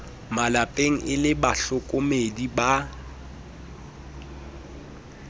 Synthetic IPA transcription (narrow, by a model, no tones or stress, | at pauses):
malapʼeŋ̩ʔɪlɪbaɬʊkʼʊmediba